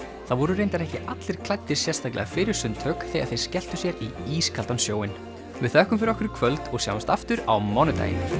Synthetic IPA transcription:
θavɔɾʏreːjnt̪aɾɛhcɪʔat̪lɪɾ̥kʰlajt̪ːɪ̥sjɛrst̪ʰaklɛ̰ɣafɪɾɪɾ̥sʏnt̪ʰœːkθɛːɣaðθej̥scɛl̥t̪ʏsjɛɾiiːskʰalt̪ansjoːwɪn | vɪðθœhkʏmfɪɾɔhkʏɾɪ̥kʰvœlt̪ɔɣsja̰ːwmanst̪aft̪ʏɾa̰wmɔnʏt̪a̰jɪ̰n

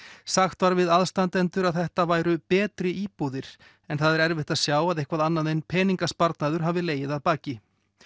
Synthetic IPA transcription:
saxt̪vaɾvɪðaðst̪ant̪ɛnt̪ʏɾaðθɛht̪avaːjɾʏpɛːt̪ɾɪʔiːpuðɪɾ̥ | ɛnθaðɛɾɛɾvɪht̪aðsjaːwaðehkvaðanːaðenpʰɛːniŋkaspaɾt̪naðʏɾ̥ɦaːvɪleːjɪðaðpaːcɪ

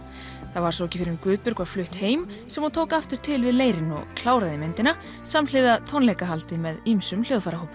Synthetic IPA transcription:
θavaɾ̥sowɛcɪfɪɾɪmkvʏːðpʏɾkvḁflʏht̪heːjm | sɛmɔt̪ʰoːwkaft̪ɪɾ̥t̪ʰɪlvɪðleːjɾɪnɔ̰ɣkʰlaːwɾaðɪmɛnt̪ɪna | saml̥ɪðat̪ʰownlejkaɦalt̪ɪmɛðimsʏmljowðfaɾaɦuːpːʏ̥

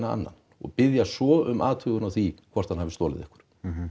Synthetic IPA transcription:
naa̰nːa̰n | ɔ̰ɣpɪðjasɔʏmʔa̰ːt̪ʰʏɣʏnawθikʰvɔr̥t̪hanhavɪst̪ɔːlɪ̰ðɛ̰hkʏ̥ɾ̥

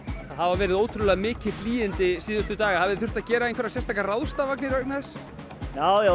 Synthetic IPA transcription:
ahavavɛːɾɪðoːwt̪ʰɾʏðlɛɣamɪːcɪfliːjɪnt̪ɪsiːðʏst̪ʏt̪aːɣahavðɪθʏr̥t̪aðcɛːɾaenkvɛɾasjɛst̪akarawðst̪avaknɪɾvœk̚naðɛs | jaːja

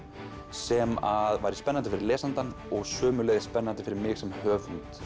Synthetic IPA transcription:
sɛmaðvaːjɾɪspɛnːant̪ɪfɪɾɪɾlɛːsant̪anɔɣsœːmʏlɛːɣðɪ̥spɛnːant̪ɪfɪɾɪɾmɪɣsɛmhœːvʏnt̪

